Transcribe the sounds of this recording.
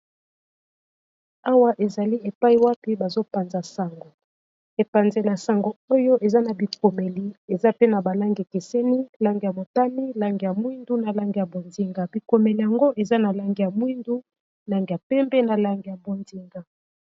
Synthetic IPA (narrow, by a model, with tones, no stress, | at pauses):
a˦wa˦ʔe˨za˨li˦e˨pa˦i˦˨wa˦pi˦ba˨zo˦pa˨nza˨sa˨ŋɡo˨ | e˨pa˨nze˨la˨sa˨ŋɡo˨o˦jo˦ʔe˨za˦na˨bi˨ko˨me˨li˨e˨za˦pe˦na˨ba˨la˦ŋɡke˨sɛ˦ni˦la˦ŋɡi˨ja˨mo˨ta˦mi˦la˦ŋɡi˨ja˨mwi˦ndu˦na˨la˦ŋɡi˨ja˨bo˨ndi˦ŋɡa˨bi˨ko˨me˨li˨ja˨ŋɡo˦ʔe˨za˦na˨la˦ŋɡi˨ja˨mwi˦ndu˦ | la˨ŋɡi˨ja˨pɛ˦mbɛ˦na˨la˨ŋɡi˨ja˨bo˨ndi˦ŋɡa˨